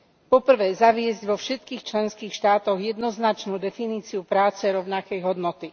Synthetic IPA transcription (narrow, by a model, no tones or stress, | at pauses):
pɔpr̩ʋɛːzaʋɪɛzɟʋɔfʃɛt̪kiːxt͡ʃlɛnskiːxʃt̪aːt̪ɔɣjɛd̪nɔznat͡ʃnuːd̪ɛfiniːt͡siupɾaːt͡sɛɾɔʊnakɛjɦɔd̪nɔt̪i